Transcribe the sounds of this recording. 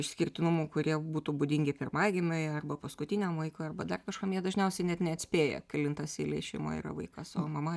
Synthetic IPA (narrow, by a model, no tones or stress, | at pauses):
ɪʃsʲkʲɪrʲt̪ʲɪnʊmuːkʊɾʲiɛbuːt̪uːbʊd̪ʲiŋʲɡʲɪpʲɪrmɑːɡʲɪmʲoːjɛɐrbɐpɐskʊt̪ʲinʲoːmʋɐɪkoɐrbɐd̪ɐrkɐʃkɐmjiɛd̪ɐʒʲnʲɛʊsʲɛɪnʲɛt̪nʲɛɐt̪sʲpʲeːjɛ̰kʲɪlʲɪnt̪ɑsiːlʲˠɛɪʃʲɛɪmo̰ḭrɐ̰ʋɐɪkɐsoːmɐmɐ